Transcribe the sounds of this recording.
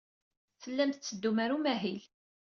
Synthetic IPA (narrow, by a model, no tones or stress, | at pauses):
θəlːæmθt͡sːəd̪ːumaɾumæɦil